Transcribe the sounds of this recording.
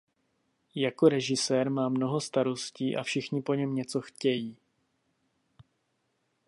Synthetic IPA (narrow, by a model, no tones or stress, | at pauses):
jako̞ɾɛʒɪsɛːɾmaːmno̞ɦo̞st̪aɾo̞sciːʔa̰fʃɪxɲɪpo̞ɲɛmɲɛt͡so̞xcɛjiː